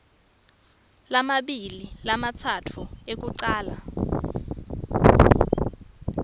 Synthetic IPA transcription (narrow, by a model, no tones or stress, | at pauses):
lamaɓililamat͡sʰatʰuek̬uǀaːla